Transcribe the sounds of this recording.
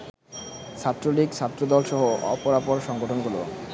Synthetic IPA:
ʃʰat̪ːɾoliɡt͡ɕʰat̪ːɾod̪ɔlʃɔɦoɔ̰poɾapoɾʃɔŋɡoʈʰonɡulo̰

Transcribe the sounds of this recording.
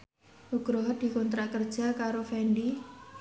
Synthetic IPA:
ʔuɡ̥ɾoɦɔd̪̥i̤kɔnt̪ɾakərd̥ʒ̥a̤kaɾofɛɳɖi

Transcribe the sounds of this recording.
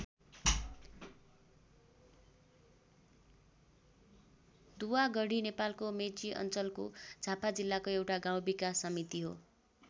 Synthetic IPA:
d̪uwaɡʌɽinepalkomet͡siʔʌ̰nt͡sʌlkod͡zʱapad͡zilːakoewʈaɡãw̃bikasʌmit̪iɦo

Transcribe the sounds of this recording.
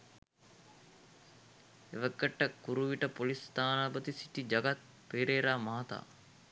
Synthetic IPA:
eʋəkːəʈːəkuɾuʋiʈəpolist̪aːnaːbət̪isi̥t̪id͡ʒaɡat̪̚ | peːɾeːɾaːmaɦat̪a̰ː

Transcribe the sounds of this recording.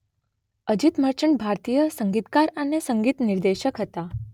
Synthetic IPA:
əd͡ʒit̪məɾt͡ʃəɳbʱaɾt̪ijəsəŋɡit̪kaɾənesəŋɡit̪niɾd̪eʃəkɦət̪a

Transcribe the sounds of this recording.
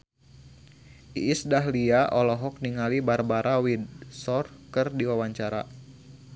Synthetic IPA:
ʔḭːsdaɦliaʔɔlɔɦɔk̚niŋalibarbaɾʔawidsɔrkərdiwawaɲt͡ʃaɾa̰

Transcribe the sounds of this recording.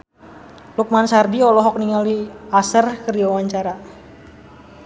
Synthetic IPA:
luk̚mansardiɔlɔɦɔk̚niŋaliasərkərdiwawaɲt͡ʃaɾa

